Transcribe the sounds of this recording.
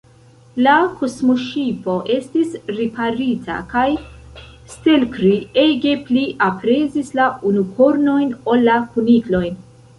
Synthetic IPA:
lakʰo̞smoʃipo̞ʔe̞stisɾipaɾitʰa̰kaj | ste̞lkɾieɡe̞pliʔapɾe̞zislaunukʰo̞ɾno̞jno̞lːakuniklo̞jn

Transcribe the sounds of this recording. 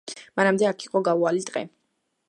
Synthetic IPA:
manamd̪ɛakʰiqʼɔɡaualit̪ʼqʼɛ̰

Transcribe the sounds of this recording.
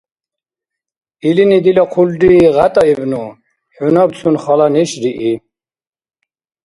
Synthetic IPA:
ilinid̪ilɔqʰulɖiːʁat̪ʼaibnu | ħunɔbt͡sʰunχɔlanɛʃɾiʔi

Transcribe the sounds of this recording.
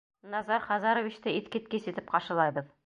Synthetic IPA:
nɑzɑɾχɑzɑɾŏvʲit͡ɕt̪ɘit̪kɘt̪̚kesit̪ɘpqɑʃɤ̆lˠɑjbɤð

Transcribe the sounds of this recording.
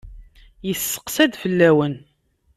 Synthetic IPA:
jəsːə̥qsæd̪fəlːæwən

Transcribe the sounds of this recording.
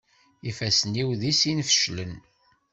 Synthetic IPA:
ifæsəniwðisinfʃlən

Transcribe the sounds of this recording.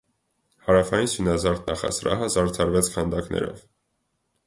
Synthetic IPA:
hɑɾɑfɑjinsinɑzɑɾt̪nɑχɑ̰sɾɑɦəzɑɾt͡sʰɑɾvɛt͡sʰkʰɑnd̪ɑknɛ̰ɾɔ̰v

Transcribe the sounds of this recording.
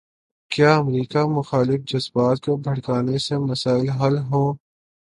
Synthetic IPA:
kjaːɐmɾiːkamʊxaːlɪfd͡ʒɐzbaːt̪̚kobʱɐɽkaːnesemɐsaːɪlɦɐlɦõː

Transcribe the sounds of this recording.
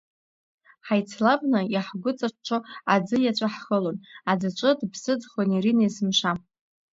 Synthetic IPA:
ħajt͡sʰlabʼnajaħɡʷʊt͡sʼat͡ʃt͡ʃʰoad͡zɨjat͡ʃʷʼaħχəlonad͡zɨt͡ʃʷʼɨdbsɨd͡zχonirinajzɨmʃa

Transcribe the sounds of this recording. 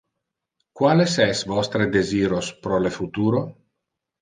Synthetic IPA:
kwaːlesɛsvɔst̪ɾed̪eziːɾospɾolefut̪uːɾo

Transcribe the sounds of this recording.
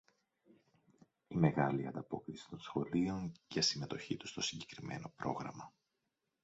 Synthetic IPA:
ime̞ɣɐliɐ̰nd̪ɐpo̞kɾisi̥t̪o̞nsxo̞lio̞ɲʝɐsime̞t̪o̞çit̪u̥st̪o̞siɲɟe̞kɾime̞̰no̞pɾo̞̰ɣɾɐmɐ

